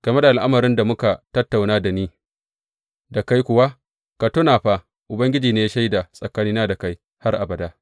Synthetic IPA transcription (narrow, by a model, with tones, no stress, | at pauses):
ɡ̥ɐ˨me˦da˨ʔa˨lʔa˦mɐ˨ɾɪ˦nda˨mʊ˦ka˨tɐ˦tːa˨wnaː˦da˨niː˦ | da˨ka˦jkʷʊ˨wa˦ | ka˨tʊ˦naː˨ɸa˦ | ʔʊ˨bɐ˦ŋɡʲɪ˦d͡ʒiː˨neː˦ja˦ʃa˦jda˨sʼɐ˨kaː˦niː˦naː˦da˨ka˦j | ha˦rʔa˨bɐ˨daː˦